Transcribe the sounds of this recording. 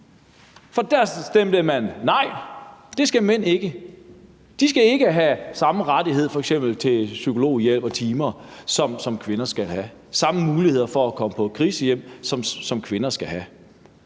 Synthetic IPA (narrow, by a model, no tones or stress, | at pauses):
fɒ̽d̥æɐ̰sd̥emd̥əmænːɑ̈ɪ̰d̥e̝sɡ̥æmen̰e̝ɡ̥ə | d̥isɡ̥æe̝ɡ̥əɦæsɑ̈məʁɑ̈d̥iɦe̝ð̰ˠfɒ̽eɡ̥sem̰b̥l̩t͡sʰe̝lsykʰo̝lo̝̰ːjel̰b̥ɒ̽t͡sʰiːmɐsɒ̽msɒ̽mkʰʋe̝nɐsɡ̥ælɦæ | sɑ̈məmuːlihe̝ð̰ˠɐfɒ̽ækʰɒ̽məpʰɒ̽kʰʁiːsəjem̰sɒ̽msɒ̽mkʰʋe̝nɐsɡ̥æɦæ